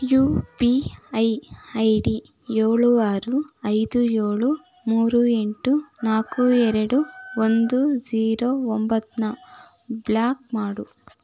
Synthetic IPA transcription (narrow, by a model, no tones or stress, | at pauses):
juːpiɐjɐjɖi | jeːɭuaːɾuɐjd̪ujeːɭu | muːɾue̞ɳʈunaːkuɛɾɐɽuond̪ud͡ʒiːɾoːombɐt̪nɐ | blaːk̚maːɽu